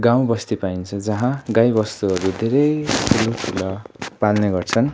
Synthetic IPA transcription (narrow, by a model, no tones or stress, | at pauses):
ɡãw̃bʌst̪ipaint͡sʰʌd͡zʌɦãɡajbʌst̪uʌɾud̪ʱeɾʌjtʰulutʰulʌpalneɡʌrt͡sʰʌn